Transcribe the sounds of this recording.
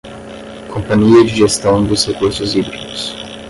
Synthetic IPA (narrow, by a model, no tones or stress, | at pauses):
kʰõmpɐɲiɐd͡ʒɪʒest̪ɐ̃w̃d̪ʊshekuɾsʊzibɾid̪ʊs